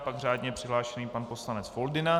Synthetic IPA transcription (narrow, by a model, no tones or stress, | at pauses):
paɡr̝aːdɲɛpr̝̥ɪɦlaːʃɛniːpanpo̞slanɛt͡sfo̞ldɪna